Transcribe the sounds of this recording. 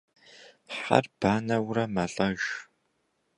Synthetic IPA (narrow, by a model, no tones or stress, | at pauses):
ħa̰rb̥aːnɐwrɐmɐɬʼɐʒ